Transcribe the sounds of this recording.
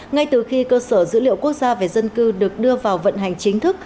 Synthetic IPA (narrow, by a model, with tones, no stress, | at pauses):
ŋa˧jt̪ɨ˨˩xi˧kəː˧səː˧˩zɨ̰˧˥lḭ˧˨əwku˦˥ək̚z̥aː˧ve˨˩zə˧nkɨ˧ɗɨ˨˩ək̚ɗɨ˧əvaː˨˩wvə̰˧˨nɦa˨˩jŋ̟t͡ɕï˨˦ŋ̟t̪ʰɨ˦˥k̚